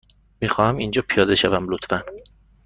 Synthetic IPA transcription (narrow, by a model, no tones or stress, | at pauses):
miːxɒːhæmind͡ʒɒːpʰijɒːd̪e̞ʃævæmlot̪fæn